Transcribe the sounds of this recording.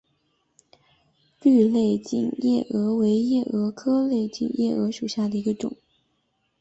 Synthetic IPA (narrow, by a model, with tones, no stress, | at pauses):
ly˥˧le˥˧ɪt͡ɕḭ˥˧njɛ˥˩ʔɤ˧˥we˧˥ɪjɛ˥˩ʔɤ˧˥kʰɤ˥le˥˧ɪt͡ɕḭ˥˧njʔɛ˥˩ɤ˧˥ʂu˨˩ɕja˥˩d̪ə˩i˧˥ɡə˧ʈ͡ʂʊ̰˨˩˦ŋ